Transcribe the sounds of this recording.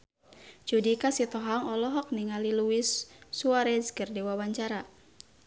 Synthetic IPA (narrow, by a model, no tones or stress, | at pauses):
d͡ʒudikasit̪ɔɦaŋɔlɔɦɔk̚niŋaliluisːuaɾɛskərdewawaɲt͡ʃaɾa